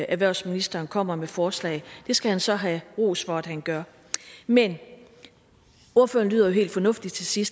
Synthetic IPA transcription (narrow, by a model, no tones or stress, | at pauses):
ʔæʋæɐʊsminisd̥ɐːnkʰɒ̽m̰ɐmefɒːslɛ̰ɪd̥e̝sɡ̥æhænsɒ̽ɦæʁo̝̰ːsfɒæd̥hænɡ̥ɶɐ | men | o̝ɐfø̰ːɐnly̰ːðˠɐjo̝ɦe̝̰ːld̥fɒ̽nɔ̽fd̥i̥t͡sʰe̝sisd̥